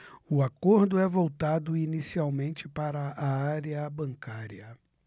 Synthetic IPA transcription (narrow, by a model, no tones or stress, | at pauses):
ʊakoɾd̪ʊɛvowt̪ad̪ʊinisiawmẽnt͡ʃɪpaɾɐːaɾiɐbɐ̃ŋkaɾiɐ